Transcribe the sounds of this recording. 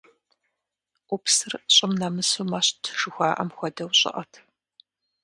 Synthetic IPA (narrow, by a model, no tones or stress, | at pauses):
ʔupsɨrɕʼɪmnɐmɨsuːmaɕtʰʒɨxʷaːʔɐ̰mxʷɔdɐwɕʼɪ̰ʔɐtʰ